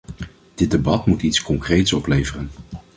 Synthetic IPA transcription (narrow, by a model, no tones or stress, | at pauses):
d̥ɪd̚ebɑtmutitskɔŋkrejtsɔplejvərən